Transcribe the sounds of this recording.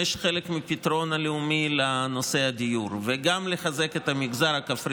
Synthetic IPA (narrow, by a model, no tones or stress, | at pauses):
eʃχelekmipitʁo̞naleumilano̞se̞had̪ijuɾveɡamleχaze̞ket̪amiɡzaʁhakafʁ